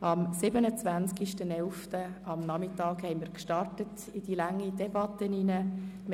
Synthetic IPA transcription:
ɑmsɪbənət͡svænt͡skiʃtənɛlftəɑmnɑmɪtɑːkhɛɪmiːɾkʃtɑrtət | ɪd̥ilɑŋːid̥ɛbɑtːəninəm

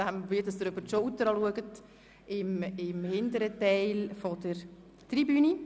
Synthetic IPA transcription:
æmʋɪtəsd̪ɾʏbəɾʃout̪əɾɑluəɡət | ɪmɪmhɪndəɾətɛɪlfɔdəɾ | t̪ribyːni

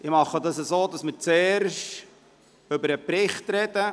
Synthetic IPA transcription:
ʔɪmɑχədɑsəsoːdɑsmɪɾt͡sɛːɾʃt | ɵbəɾəpɾɪχtɾɛd̥ə

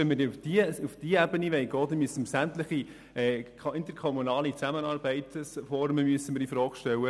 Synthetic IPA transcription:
ɛnmɪɾfd̥iufd̥iəɛbəniʋɛɪɡɔːd̥̪ɛnmyəsənməsæmt̪ləχi | ɛː | ɪnt̪əɾkʰɔmunɑːlit͡sæmənɑːɾbɛɪt̪sfɔɾməmyəsəmɪɾdifɾɔːɡ̥ʃtɛwə

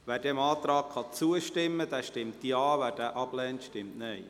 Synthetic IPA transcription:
ʋæːɾd̥ɛmɑːt̪ɾɑːk̚χɑt͡suəʃtɪmːəd̥æːʃtɪmtːiɑːvæːdæːʔɑb̥lɛːntʃtɪmtnɛɪ

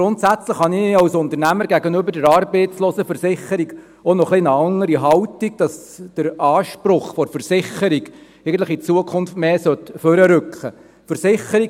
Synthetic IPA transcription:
ɡɾʊntsæt͡sləχhɑniɑwsʊnt̪əɾnæməɾɡæɡənʏbəɾdəɾɑːɾbɛɪt͡sloːsəfəɾsɪχːəɾiɡ | ɔnɔχlinəɑŋːəɾiɦɑwtiɡ̚d̥ɑs | d̥əɾɑːʃpɾʊχfɔɾfəɾsɪχəɾiɡ | ɛɪɡən̩t̪ləχit͡suəkʰʊnftmeːsœt̪fœɾəɾʏkχə | fəɾsɪχəɾiɡ

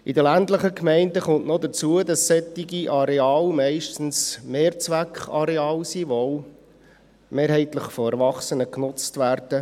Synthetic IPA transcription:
idəlændləχəkmɛɪndəχʊnʔnɔd̪ət͡suədɑsːɛtiɡiʔɑɾeɑːlmɛɪʃtən̩smeːɾt͡sʋækχɑ̰ɾɛɑːlsiʋɔoʊ | meːɾɦɛɪt̪ləχfɔɛɾʋɑχsənəknʊt͡stʋæɾd̥ə

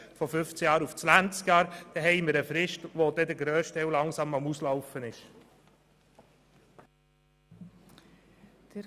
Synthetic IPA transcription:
fɔfʏft͡sjɑːɾuft͡sʋænt͡skjɑːɾd̥ɛɦɛɪməɾəfɾɪʃtʋod̪ɛd̪əɡɾøːʃtɛwlɑŋsɑmɑmuslɑʊfənɪʃ | d̥

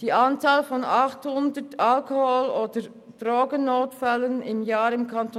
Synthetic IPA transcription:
d̥iːʔant͡saːlfɔnɑχthʊndətʰalkoholoːdə | d̥ʁoːɡənːoːtfɛlənɪmjaːɾɪmkʰanto

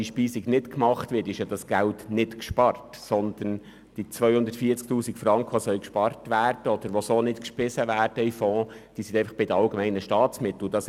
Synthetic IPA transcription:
iʃpiːsiɡnɪtkmɑχtʋɪːtɪʃjɑd̥ɑsɡ̥æltnɪtkʃpɑrtsɔnd̪̥ən | d̥it͡sʋœjhʊnd̪ətfiːt͡sk̚t̪uːsikfɾɑŋkʰəʋosœlkʃpɑrtʋæːrd̥əɔd̥̪əɾʋosoːnɪtkʃpɪsəʋæːrd̥əifɔ̃ːd̥iːsɪnd̪ɛɪnfɑχb̥ɪd̪əɑlɡəmɛɪnəʃtɑːt͡smɪt̪l̩d̥ɑs

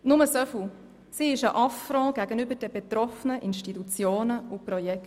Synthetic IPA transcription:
nʊməsœfu | siɪʃəʔɑfɾɑ̃ːɡ̥æɡənʏbəɾd̥ɛbet̪ɾɔfənəʔɪnʃtitut͡sjoːnəʊpɾɔjɛkt

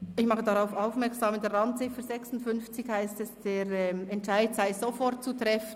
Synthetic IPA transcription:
ɪçmɑχədaʁaʊfaʊfmɛɐʁksaːmɪnd̥eɾantt͡sɪfəzɛksʊntfʏnft͡sɪçhaɪstɛsd̥eːɾɛmɛntʃaɪdsaɪz̥ofɔɾt̚t͡sutʁ̥ɛfən

